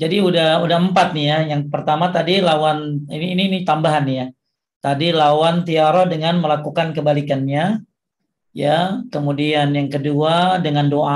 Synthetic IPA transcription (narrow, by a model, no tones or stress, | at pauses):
d͡ʒadiudahudahəmpat̪̚nijajaŋpərt̪amat̪adilawaniniːniːnit̪ambaɦanja | t̪adilawant̪iaɾodəŋanməlakukankəbalikanɲa | jakəmudianjaŋkəduadəŋandoʔa